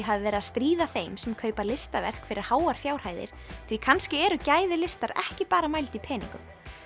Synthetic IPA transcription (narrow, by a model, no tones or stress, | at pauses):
ɦavɪvɛːɾɪðast̪ɾiːðaθejmsɛmkʰœːɥpalɪst̪avɛ̰r̥kfɪɾɪ̰ɾ̥haːwaɾ̥fjaːwr̥haːjðɪ̰ɾ̥θvikʰanscɪɛɾʏcaːjðɪlɪst̪aɾɛ̰hcɪpaːɾamajlt̪ipʰɛːnḭŋkʏ̰m